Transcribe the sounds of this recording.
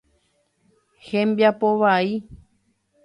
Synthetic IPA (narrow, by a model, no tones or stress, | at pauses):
hẽmbjapoʋai